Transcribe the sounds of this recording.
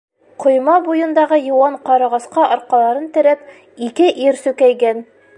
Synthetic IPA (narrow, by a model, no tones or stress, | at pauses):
qŏjmɑbujɤ̆nd̪ɑʁɤjɤ̆wɑɴqɑɾɑʁɑsqɑʔɒɾqɑlˠɑɾɤnt̪ɘ̆ɾæp | ikɘʔiɾsʉkæjɡæn